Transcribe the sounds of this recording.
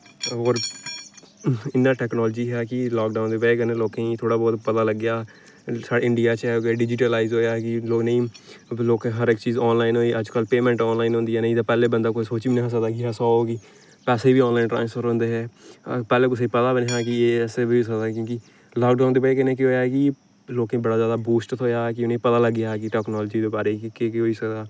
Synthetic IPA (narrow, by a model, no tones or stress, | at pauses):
oːɾ | ɪnːãːʈɛːknɔːləd͡ʒiːɦɛːkɪlɔːk̚ɖaːʊnd̪eːpɛeːkɪnẽːloːkĩːt̪ʰoːɽaːbɔːt̪pət̪aːləɡjaː | saːɖaːɪɳɖɪjaːt͡ʃɛːɡeːɖɪd͡ʒɪʈəlaːizɦoːjaːɦɛkɪloːknə̃ĩːloːkɛ̃ɦəɾɪkt͡ʃiːzɔːnlaːinɦoːiːʔəd͡ʒkəlpeːmɛ̃ːɳʈɔːnlaːinɦõːnd̪iːɛːnə̃ĩːd̪aːpɛːleːbənd̪aːkoːisoːt͡ʃːiːnəɦs̬əd̪aːkɪɦəsɔːɦoːɡiː | pɛːseːiːbiːɔːnlaːinɳʈɾã̰ːnsfʰəɾɦõːnd̪eːɦɛːpɛːleːkʊs̬epət̪aːbəneɦaːkɪeːsebʱis̬əkd̪aːkjõːkɪ | lɔːk̚ɖaːnd̪eːbaeːkɪnẽːk̬ɪɦoːjaːɛkɪ | loːkẽbəɽaːzjaːd̪aːbuːsʈt̪ɦoːjaːɛkɪʊnẽːpət̪aːləɡːɪjaːɦɛkɪʈɛːknɔːləd͡ʒiːd̪eːbaːɾekɪkekɪoːiːsəkd̪aː